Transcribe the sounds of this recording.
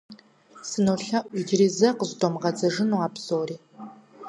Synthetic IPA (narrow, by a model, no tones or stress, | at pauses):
sɨnoːɬɐʔid͡ʒriːzɐqəzdomʁɐd͡zɐʐɨnuaːbz̥oːriː